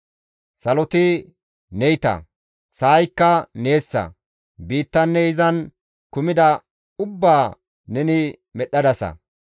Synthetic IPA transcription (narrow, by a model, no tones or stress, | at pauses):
sɐlɔt̪ɪ | nɛjt̪ɐ̰ | saːjkːɐneːsːɐ̰ | biːt̪ːɐnːɛɪzɐn | kʊmɪd̪ɐ | ʊbːaː | nɛnɪmɛɗːɐd̪ɐsɐ̰